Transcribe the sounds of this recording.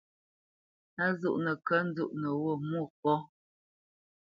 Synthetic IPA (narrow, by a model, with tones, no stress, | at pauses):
a˦zu˦ʔnə˨kə˦n̩˦d͡zu˦˨ʔnə˨wo˦˨mu˦˨k̚ɔ˦